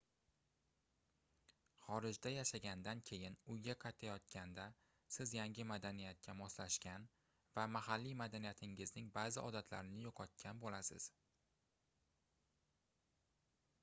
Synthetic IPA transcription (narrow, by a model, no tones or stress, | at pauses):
χɒɾɪd͡ʒd̪ajaʃaɡʲand̪ankʲʰe̞jɪnʊjɡʲaqʰɑjt̪ʰajɒt̪kʲʰand̪a | sɪzjaŋɡʲɪmad̪anijat̪̚kʲamɒslaʃkʲan | vamaɦalːimad̪anijat̪ʰɪŋɪznɪŋbaːzɪʔɒd̪at̪ʰla̰ɾɪnɪjoqʰɒt̪̚kʲʰanbolasɪ̰z̥